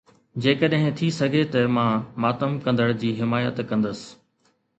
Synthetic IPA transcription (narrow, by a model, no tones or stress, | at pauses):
d͡ʑeːkəɗɦɪ̃t̪ʰisɐɡʱet̪ɐmãːmaːt̪əmkɐ̃nd̪əɽd͡ʑiːɦɪmaːjət̪kɐ̃nd̪əsɪ̥̆